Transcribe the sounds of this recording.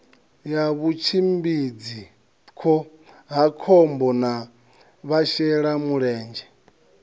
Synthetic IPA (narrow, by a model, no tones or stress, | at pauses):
jaβut͡ʃʰimbid͡zi | kʰɔ | ɦakʰɔmbɔna | βaʃɛɺamuɺɛːnd͡ʒɛ